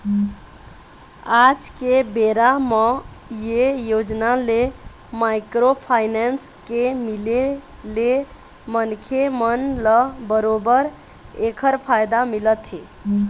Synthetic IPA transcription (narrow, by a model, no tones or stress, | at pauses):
ad͡ʒkebeɾamə̃ | jejod͡ʒnale | majkɾopʰajnanskemile | le | mənkʰemənləbəɾobəɾ | ekʰəɾpʰajd̪amilət̪ɦe